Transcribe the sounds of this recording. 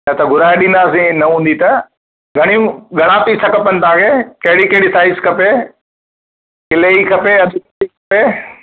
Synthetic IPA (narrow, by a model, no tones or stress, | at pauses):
jɐt̪ɐɡʱʊɾaːeɗĩːnd̪aːsĩnɐɦũːn̆d̪it̪ɐ | ɡʱɐɽ̃ĩɡʱɐɽ̃ãːpisɐkəpənt̪ãːkʰeːkɐɦɪɽikɐɦɪɽisaːɪskɐpe | kɪleikʰɐpeɐd̪ʱʊkɐikɐpe